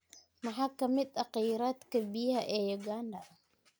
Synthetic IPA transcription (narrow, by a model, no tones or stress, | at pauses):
mɑħɑːkʰɐmɪd̪ɑqiːɾaːd̪kʰɐbijɐhɐʔɛːjɔɡaːndɐ